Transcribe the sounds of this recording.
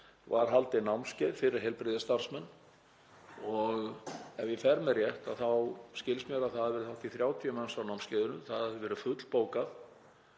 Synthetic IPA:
vaɾ̥ɦalt̪ɪnawmnscɪðfɪɾɪɾ̥ɦɛlpɾɪːðɪst̪ar̥smɛnː | ɔɣɛvjɛfɛɾmɛrjɛht̪aðθawscɪlsmjɛɾaðθaðaðvɛːɾɪθawht̪iθɾjaːwt̪ʰiʏmansawnawmscɛːðʏnʏθaðvɛːɾʏfʏt̪l̥poːwkaθ

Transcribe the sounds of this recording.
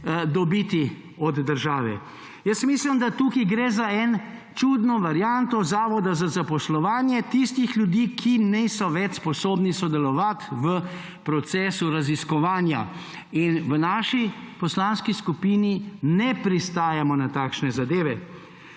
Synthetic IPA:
d̪ɔbit̪i | ɔd̪ːəɾʒaːʋɛ̰ | jəsmiːslimd̪at̪uːkiɡɾeːzaɛn | t͡ʃuːd̪nɔʋaɾjant̪ɔzaːʋɔd̪azazapɔslɔʋaːnjɛt̪ist̪ixlʲjud̪iːkʰinisɔʋɛt͡ʃspɔsoːbnisɔd̪ɛlɔʋat̪ʋə | pɾɔt̪sɛːsuɾaziskɔʋaːnja̰ | inʋənaːʃipɔslanskiskupiːninɛpɾist̪aːjamɔnat̪aːkʃnɛzad̪eːʋɛ

